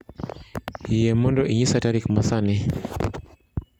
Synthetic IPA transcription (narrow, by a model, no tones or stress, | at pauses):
ijɛmɔndɔʔiɲisataɾikmasani